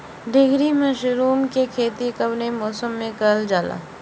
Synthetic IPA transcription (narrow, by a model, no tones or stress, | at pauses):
ɖ̪ɪɡɾimɐʃɾuːmkekʰeːt̪ikɐbnemɔːsəmːẽkɐld͡ʒaːla̰ː